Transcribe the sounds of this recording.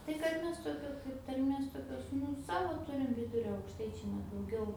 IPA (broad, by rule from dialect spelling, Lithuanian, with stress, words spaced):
tɐɪ kɐt ˈmʲɛs toːˈkʲoː kɐɪp tɐrʲˈmʲeːs toːkʲˈoːs ˈnʊ ˈsɑːʋoː ˈtʊrʲɪm ˈʋʲɪdʊrʲoː ɐʊkʃˈtɐɪt͡ʃʲɛɪ nʲɛ dɐʊˈɡʲɛʊ